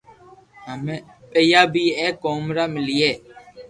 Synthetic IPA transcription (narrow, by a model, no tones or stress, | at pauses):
ɦəmeː | peːjaːbʱiːeːkoːmɾaːmɪliːeː